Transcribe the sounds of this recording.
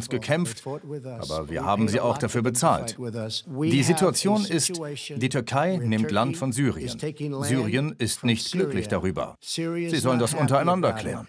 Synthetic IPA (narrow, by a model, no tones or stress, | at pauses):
nsɡ̥əkʰɛmftʔa̰ːbɐ̰viːɐhaːb̚m̩ziːʔa̰ʊxd̥afyːɐbət͡sa̰ːlt | d̥iːzituat͡sjoːnɪstd̥iːtʰʏɐkʰaɪnɪmtlantfɔnzyːʁiə̰nzyːʁiənɪstnɪçt̚ɡ̥lʏklɪçd̥aʁyːbɐ̰ | z̥iːzɔləndasʔʊntɐaɪnandɐkʰl̥ɛ̰ːʁən